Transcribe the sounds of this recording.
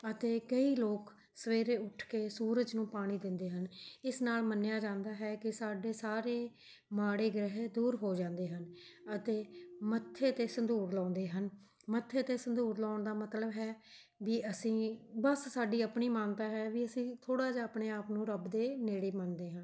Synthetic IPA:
ət̪eːkəiːloːk | səʋeːɾeːʊʈʰkeːsuːɾəd͡ʒnũːpaːɽ̃iːd̪ɪnd̪eːɦənɪsnaːlmənːejaːd͡ʒãːnd̪aːɦɛːkɪsaːɖeːsaːɾeː | maːɽeːɡɾəɦed̪uːɾɦoːd͡ʒãːnd̪eːɦənət̪eːmət̪ʰːeːt̪eːsənd̪uːɾlãːnd̪eːɦən | mət̪ʰːeːt̪eːsənd̪uːɾlaːɳd̪aːmət̪ləbɦɛː | ʋiːʔəsĩːbəssaːɖiːəpɳiːmaːnt̪aːɦɛːʋiːəsĩːt̪ʰoːɽaːd͡ʒaːəpɳeːaːpnũːɾəbd̪eːneːɽeːmənd̪eːɦən

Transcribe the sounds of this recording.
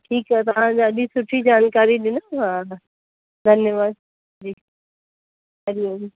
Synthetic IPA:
ʈʰiːkɦɛt̪ɐʋ̤ãd͡ʑaɐɗisʊʈʰid͡ʑaːnkaːɾiɗɪnəɦã | d̪ʱɐnjəʋaːd̪̚ | d͡ʑiːk | ɐɾioi

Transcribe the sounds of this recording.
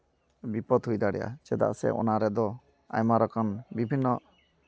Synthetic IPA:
bipɔd̪ɦujd̪aɽɛʔa̰t͡ʃɛd̪a̰ʔsɛ̰ʔɔ̰naɾɛd̪ɔ | a̰jmaɾɔkʰɔnbibʱinːɔ

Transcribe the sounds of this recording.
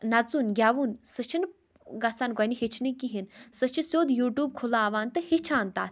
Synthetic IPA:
nɐt͡sunɡʲaʋunsət͡ʃʰin | ɡɐsaːnɡɐniɦit͡ʃʰnikːiɦinsət͡ʃʰisjoːd̪juːʈjuːb̚kʰulaːʋaːnt̪ɨhit͡ʃʰaːnt̪a̰ːt̪ʰ

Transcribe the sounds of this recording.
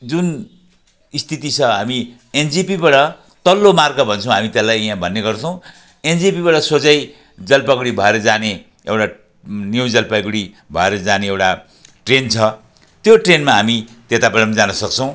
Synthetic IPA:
d͡zun | ist̪it̪it͡sʰʌɦami | end͡zipibaɽʌ | t̪ʌlːomarɡʌbʱʌnt͡sʰʌ̃w̃ɦamit̪elːajɦãbʱʌnːeɡʌrt͡sʰʌw̃ | end͡zipibaɽʌsod͡zʌj | d͡zʌlpaɡuɽibʱʌeɾʌd͡zane | ewʈa | njuwd͡zʌlpaɡuɽi | bʱʌeɾʌd͡zaneewʈa | ʈrent͡sʰʌ | t̪joʈrenmaɦamit̪et̪abeɽʌmd͡zanʌsʌk̚t͡sʰʌw̃

